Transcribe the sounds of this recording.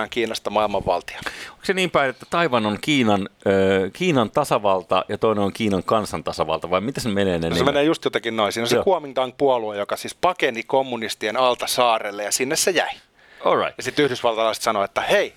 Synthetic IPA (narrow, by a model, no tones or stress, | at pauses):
ɑŋkiːnɑst̪ɑmɑilmɑʋʋɑ̰lt̪i̥o̥o̥kseniːmpæiet̪ːæt̪ɑiʋɑnoŋkiːnɑnøːkiːnɑnt̪ɑsɑʋɑlt̪ɑ̰jɑt̪oineoŋkiːnɑŋkɑnsɑnt̪ɑsɑʋɑ̰lt̪ɑʋɑimit̪æsemeneːnensemeneːjust̪jot̪ɑkinnoisiːnolisekuomiŋt̪ɑŋk̚puɑluejokɑsiːspɑkenikomːunist̪ienɑlt̪ɑsɑːrelːejɑsinːessejæ̰i | olːɑ̰ittjɑsit̪ːyhdysʋɑlt̪ɑlɑist̪sɑnoet̪ːæhei